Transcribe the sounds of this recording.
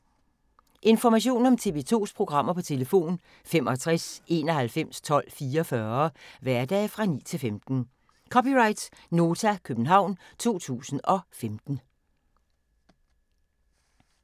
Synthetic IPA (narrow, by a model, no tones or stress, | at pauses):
ʔe̝nfɒmæɕ̬o̝̰ːnɒ̽mt͡sʰe̝ʋe̝̰ːt͡sʰo̝̰ːspʰʁo̝ɡ̥ʁɑ̈m̰ɐpʰɒ̽t͡sʰe̝ləfo̝̰ːn | femʔɒ̽t͡sʰʁaɛse̝ːnɒ̽ɦælfem̰st͡sʰɒ̽l̰fiːɐfɶɐʋæɐd̥ɛ̰ːfʁɑ̈nḭːt͡sʰe̝lfemd̥n̩ | kʰɒ̽piʁɑ̈ɪd̥sno̝ːt͡sʰækʰøb̥n̩ɦɑ̈ʊ̰nt͡sʰo̝̰ːt͡sʰṵːsn̩ɒ̽femd̥n̩